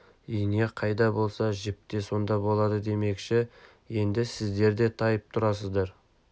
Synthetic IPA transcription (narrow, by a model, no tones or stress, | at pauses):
ʏjneqʰɑjd̪ɑbo̞lˠsɑʒɪp̚t̪e̞so̞nd̪ɑbo̞lˠɑd̪əd̪e̞me̞kʃɪ | je̞nd̪ɪsɪzd̪e̞ɾd̪e̞t̪ʰɑjəp̚t̪ʰʊɾɑs̬əzd̪ɑɾ